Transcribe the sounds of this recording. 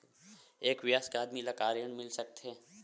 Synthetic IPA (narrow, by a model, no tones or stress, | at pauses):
eːkwɪjaːskaːd̪milakaːɾjənmɪlsɐk̚t̪ɦɛː